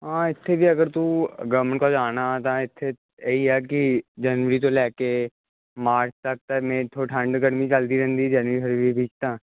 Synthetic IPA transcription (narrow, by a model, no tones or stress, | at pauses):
ɦãːɪt̪ʰːebʱiɐɡəɾt̪uɡəʋəɾmə̃ɳʈkod͡ʒaːnat̪aɪt̪ʰːe | jɐɦiɦɛk̬id͡ʒɐnʋəɾit̪̬olɛːke | maːɾt͡ʃʰt̪ɐk̚t̪ɐmẽːt̪ʰoʈʰə̃ɳɖɡəɽmit͡ʃəld̪iɾɛ̃nd̪id͡ʒɐnʋɾiɦɐɾbʱibʱiːd͡ʒt̪ãː